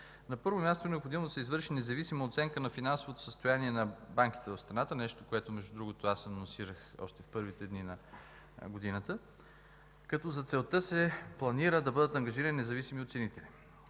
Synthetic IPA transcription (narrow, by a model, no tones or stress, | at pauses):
nɐpɤɾvomʲast̪onɛopxod̪imod̪ɐsɛizvɤɾʃinɛzɐvisiməot̪sɛŋkənɐfinansovot̪o̥səst̪ojaniɛnɐbaŋk̟i̥t̪ɛvɐfst̪ɾɐnat̪ənɛʃt̪okoɛt̪omɛʒd̪ud̪ɾuɡot̪oasɐnonsiɾəxɔ̰ʃt̪ɛfpɤɾvit̪ɛd̪ninɐ | ɡod̪inət̪ə | kɐt̪ɔzɐt̪sɛlˠt̪ɤsɛplˠɐniɾəd̪ɐbɤd̪ət̪ɐŋɡɐʒiɾənʲinɛzɐvisimiot̪sɛnit̪ɛlʲi